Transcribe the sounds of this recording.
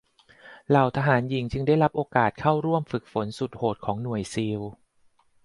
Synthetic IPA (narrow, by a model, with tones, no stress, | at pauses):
la˨˩wt̪ʰaː˧ɦaː˩˦nji˩˦ŋt͡ɕɯ˧ŋda˥˩jɾa˦˥p̚ʔoː˧kaː˨˩t̪̚kʰa˥˩wɾu˥˩əmfɯ˨˩k̚fo˩˦nsu˨˩t̪̚hoː˨˩t̪̚kʰɔː˩˦ŋnu˨˩əjsiː˧w